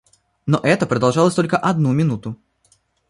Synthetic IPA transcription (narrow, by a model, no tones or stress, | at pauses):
noʔɛt̪əpɾəd̪ɐlˠʐɑlˠəsʲt̪o̞lʲkəʔɐd̪̚numʲɪnut̪ʊ